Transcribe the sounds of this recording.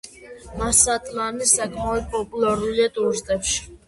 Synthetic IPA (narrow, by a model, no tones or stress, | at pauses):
masat̪ʼmanisakʼmaɾud̪̚pʼɔpʼulaɾuliad̪uɾʒd̪ɛpʃ